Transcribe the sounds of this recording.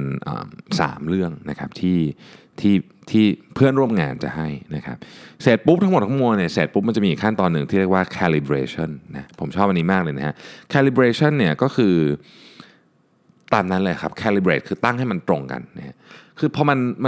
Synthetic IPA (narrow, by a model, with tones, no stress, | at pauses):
nʔə̰ː˨˩msa̰ː˩˦mɾɯ˥˩əŋna˦˥kʰa˦˥p̚t̪ʰiː˥˩ | t̪ʰiː˥˩ | t̪ʰiː˥˩pʰɯ˥˩ənɾu˥˩əmŋa̰ː˧nt͡ɕa̰˨˩ɦa˥˩jna˦˥kʰa̰˦˥p̚seː˨˩t̪̚pu˦˥p̚t̪ʰa˦˥m˨˩t̪̚ʰa˥mu˧əŋni˥˩seː˨˩t̪̚pu˦˥p̚m˧nt͡ɕa˨˩mi˧˨˩kʰa˥˩nt̪ɔː˧nːɯ˨˩ŋt̪ʰi˥˩ɾi˥˩ək̚waː˥˩kʰɛ˧li˧bɾeː˧˥t͡ɕʰɔ˥˩nːa̰˦˥pʰo˨˩˦mt͡ɕʰɔː˥˩p̚ʔa˧nːiː˦˥maː˥˩k̚lɤː˧jna˦˥ha̰˦˥ʔkʰɛː˧li˧bɾeː˧˥t͡ɕʰɔ˥˩nːi˥˩ɐkɔː˥˩kʰɯː˧ | t̪aː˧mna˦˥nlɤː˧ja˩kʰa˦˥p̚kʰɛː˧li˧bɾeː˨˦˩t̪̚kʰɯː˧t̪a˥˩ŋhɦa˥˩jma˧nt̪ɾo˧ŋka̰˧nːa˦˥ha˦˥kʰɯː˧pʰɔ˧ma˧nm